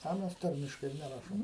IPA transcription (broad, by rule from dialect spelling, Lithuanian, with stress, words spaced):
ɐ ˈmʲɛs ˈtɐrʲmʲɪʃkɐɪ ɪr nʲɛˈrɑːʃoːm